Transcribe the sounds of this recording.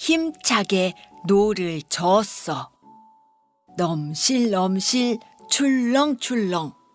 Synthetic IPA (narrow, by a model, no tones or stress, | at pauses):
çimt͡ɕʰaɡenoɾɯɭt͡ɕʌs͈ʌ | nʌmɕʰiɭːʌmɕʰiɭ | t͡ɕʰuɭːʌŋt͡ɕʰuɭːʌŋ